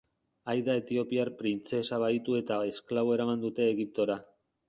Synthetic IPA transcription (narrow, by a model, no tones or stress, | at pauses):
ajðae̞t̪io̞piarpɾint͡se̞saβait̪ue̞t̪ae̞sklaβo̞e̞ɾamand̪ut̪e̞ːɣip̚t̪o̞ɾa